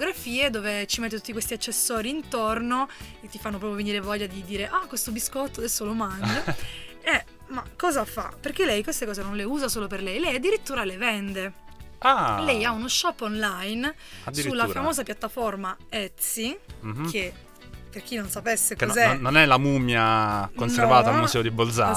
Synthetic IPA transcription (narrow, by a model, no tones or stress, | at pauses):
ɡɾafiːed̪oːvet͡ʃimet̪ːet̪ut̪ːikwest̪iat͡ʃːesːɔːɾiːnt̪ornoet̪ːifanːop̬ɾɔːpɾjoveniːɾevɔʎːad̪id̪iːɾeʔakwest̪obiskɔt̪ːoad̪ɛsːolomand͡ʒa | ɛ | makːɔːzafa̰perk̟elɛjkwest̪ekɔːzenõnleuːzasoːloperlɛjlɛjad̪ːiɾit̪ːuːɾalevɛnd̪ealɛjaunoʃːɔpːonlajn | ad̪isɾiulːaɾfamoːzapjat̪ːaformaɛt̪sikʰe | pːerk̟inːonsapesːekozɛnːonɛlamumjakonsservaːt̪aːllmusɛːod̪ibold̪za̰